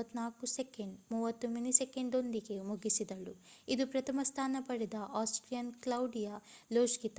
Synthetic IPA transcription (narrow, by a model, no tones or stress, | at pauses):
ɐt̪ːnaːkuseke̞ɳɖmuːʋɐt̪ːuminiseke̞ɳɖo̞nd̪iɡe̞muɡisid̪ɐluid̪upɾɐt̪ʰɐmɐst̪ʰaːnɐpɐɽɛd̪ɐʔaːsʈɾijɐnklɐwɖijaloːʃkit̪